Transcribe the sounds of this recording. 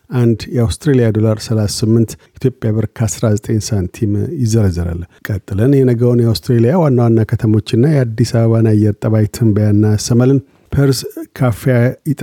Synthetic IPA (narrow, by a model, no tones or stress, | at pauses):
ʔand̪jɛawst̪ʰɾelijad̪o̞laɾsəlasːɨmːɨnt̪it̪ʰjo̞pʼjaβɨɾkʰəasɾazət̪ʼeɲsant̪ʰimjɪzəɾəzəɾa̰lkʼət̪ʼːɨlənjɛnəɡəwunjɛawst̪ɾelijawanːawanːakʰət̪ʰəmo̞t͡ʃːɪnːajɛad̪ːisaβəβanajɛɾt̪ʼəβajt̪ʰɨnbəjanːasəməlɨn | pʰəɾskʰafejajɪt̪ʼ